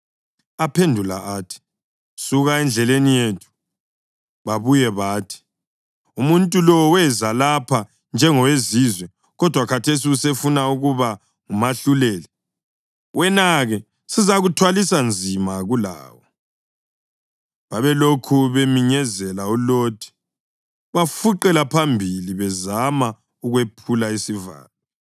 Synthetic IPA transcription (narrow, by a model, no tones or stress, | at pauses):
apʰendʱula̰ʔaːtʰi̥ | suɣaɛnd͡ɮʱɛlenijetʰu̥ | βaβujɛβaːtʰi̥ | umuntʼulɔwɛzalapʰa | nd͡ʒʱɛŋɔwezizwɛ | ɣɔd̥ʱwakʰatʰes̬iusefunauɣuβa | ŋumaɬulɛlɛ | wʔɛnaɣɛ | sizaɣutʰwalisand͡zʱimaɣula̰ːwɔ | βaβɛlokʰuβemiɲɛzɛlauloːtʰi̥ | βafuǃɛlapʰambʱiliβɛzama | uɣwepʰulaisiva̰ːlɔ